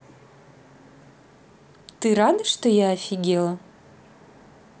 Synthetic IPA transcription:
t̪ɨɾad̪ɨʂt̪ojaːfʲɪɡʲelˠɐ

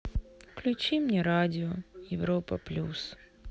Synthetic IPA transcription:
klʲʊt͡ɕimnʲɛɾadʲɪojɪvɾopə̰plʲus

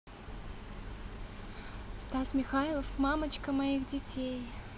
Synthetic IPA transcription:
st̪asmʲɪxajlˠəfmamət͡ɕkəmɐixdʲɪtʲej

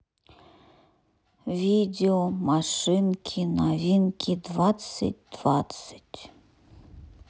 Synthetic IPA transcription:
vʲidʲeomaʂɪnkʲʰinavʲinkʲʰid̪vat̪sə̰t̚ʲd̪̥vat̪sɨ̥tʲ

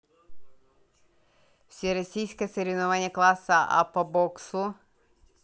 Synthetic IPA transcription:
wsʲɛɾɔsʲijsʲkɛseɾʲiʋnʊʋanʲːɐklˠasɐa̰pɐbɔksu

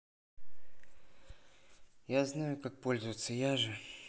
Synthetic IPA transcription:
jaznajʊkak̚po̞lʲzəvət̪sːəjaʐɨ

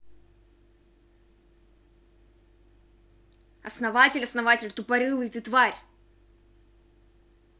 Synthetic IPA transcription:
ɐsnɐvatʲɪlʲɐsnɐvatʲɪlʲt̪ʊpɐɾʲɨlˠɨjt̪ɨt̪vaɾʲ

